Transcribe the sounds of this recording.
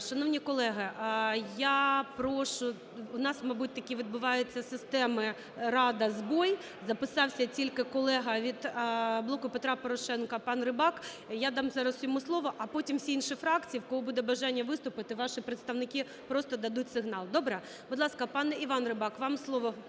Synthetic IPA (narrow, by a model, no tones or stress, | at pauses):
ʃɐnɔʋnʲikɔlˠɛɦɐʔjapɾɔʃʊ | ʊnɑsmɐbut̚ʲt̪ɐkʲiʋʲid̪̚bʊʋɑjʊt͡sʲːɐsɪst̪ɛmɪ | ɾɑd̪ɐzbɔj | zɐpɪsɑwsʲɐt͡sʲilʲkɪkɔlˠɛɦɐʋʲid̪blˠɔkʊpet̪ɾɑpɔɾɔʃɛnkɐpɑnrɪbɑk | jad̪ɑmzɑɾɐzsjɔmuslˠɔʋɔʔɐpɔtʲimwsʲiinʃɪfɾɑkt͡sʲijiwkɔɦɔbud̪ɛbɐʒɑnʲːɐʋɪst̪ʊpɪt̪ɪʋɑʃipɾet̪st̪ɐʋnɪkʲi | pɾɔst̪ɔd̪ɐd̪utʲsɪɦnɑlˠd̪ɔbɾɛ | bʊd̪lˠɑskɐpɑnɛiʋɑnrɪbɑkʋɑmslˠɔʋɔ